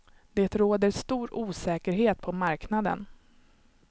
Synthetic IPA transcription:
d̪̥eːt̪ɾoːd̪əɾst̪uːɾuːsɛːkəɾɦeːt̪pʰɔmaɾknad̪ə̰n

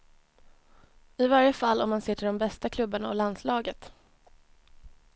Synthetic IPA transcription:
ɪvaɾjəfalːɔmːansɪːʈʰɪɖɔmbɛst̪akʰlɵbːaɳaɔland̪slɑːɡət̪

